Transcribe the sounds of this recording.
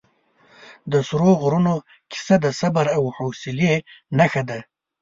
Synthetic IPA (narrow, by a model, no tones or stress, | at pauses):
d̪əsɾoɣɾuno | kɪ̥sad̪əsabaɾawhosɪlenaxad̪a